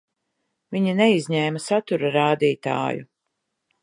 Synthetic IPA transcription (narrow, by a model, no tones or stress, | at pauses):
viɲaneizɲɛːmɐsat̪uɾaɾaːd̪iːt̪a̰ːjṵ